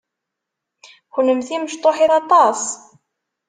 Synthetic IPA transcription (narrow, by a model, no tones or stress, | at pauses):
xnəmθiməʃt̪ˤoħiɾɑt̪ˤɑs